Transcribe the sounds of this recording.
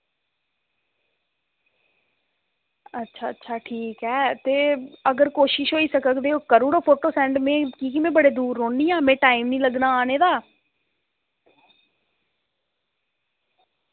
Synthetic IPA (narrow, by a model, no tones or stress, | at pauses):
ətːʃʰaːtːʃʰaːʈʰiːkɦɛːt̪eːəɡəɾkoːʃɪʃɦoːiːsəkəkd̪eːoːkəɾũːɾoːpʰoːʈoːsɛ̃ːɳɖmɛ̃ːkiːkimɛ̃ːbəɽeːd̪uːɾɦoːɳiːãːmɛ̃ːʈaːiːmnĩːləɡnaːaːneːd̪aː